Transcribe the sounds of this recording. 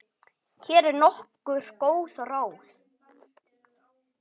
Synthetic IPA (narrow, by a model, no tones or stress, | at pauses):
cʰɛːɾɛɾnɔhkʏɾ̥koːwθɔraːwθ